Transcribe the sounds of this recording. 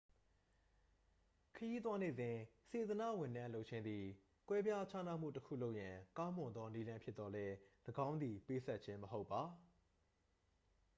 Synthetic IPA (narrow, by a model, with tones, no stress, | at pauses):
kʰəji˦t̪̬wa˦ne˨zɪ̃˨se˨zəna̰˦˨wɪ̃˨nã˦lo˦ʔ̚t͡ɕʰɪ̃˦nd̪i˨ | kwɛ˦bja˦t͡ɕʰa˦na̰˦˨m̥ṵ˦˨təkʰṵ˦˨lo˦ʊʔjã˨kã˦ʊ̃mʊ̃˨nd̪ɔ˦ni˦lã˦mpʰjɪ˦t̪t̪ːɔ˦lɛ˦ləɡã˦ʊ̃nd̪ði˨pe˦sʰɛ˦t̚t͡ɕʰɪ̃˦məɦo˦ʊpːa˨